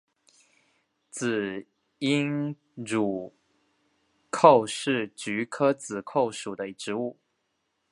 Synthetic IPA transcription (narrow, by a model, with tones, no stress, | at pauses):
t͡sɹ̩˨˩ | i˥ŋ | ɻu˨˩ | kʰo˥˩˧ʊʂɻ̩˥˩t͡ɕy˧˥kʰɤ˥t͡sɹ̩˨˩kʰo˥˩ʊʂu˨˩d̪ə˦i˩ʈ͡ʂɻ̩˧˥u˥˩